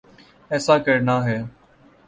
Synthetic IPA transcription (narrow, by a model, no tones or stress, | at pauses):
ɛːsaːkəɾnaːɦeː